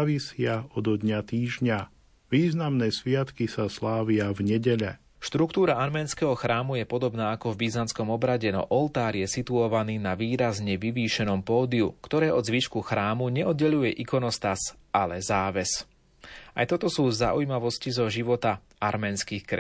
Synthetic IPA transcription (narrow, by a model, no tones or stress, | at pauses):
ʋisɪaɔd̪ɔd̪ɲat̪iːʒɲa | ʋiːznamnɛːsʋɪat̪kisaslaːʋɪavɲɛɟɛʎɛ | ʃt̪ɾukt̪uːɾaaɾmɛːnskɛɦɔxɾaːmujɛpɔd̪ɔbnaːakɔvbiznanskɔmɔbɾaɟɛnɔ̰ʔɔlt̪aːɾjɛsit̪uɔʋaniːnaʋiːɾazɲɛʋiʋiːʃɛnɔmpɔːd̪iukt̪ɔɾɛːʔɔzʋiʃkuxɾaːmuɲɛɔd̪ɟɛʎujɛʔikɔnɔst̪asalɛzaːʋɛs | ʔa̰jt̪ɔt̪ɔsuːza̰ʔujmaʋɔscizɔʒiʋɔt̪a | aɾmɛːnskixkɾɛ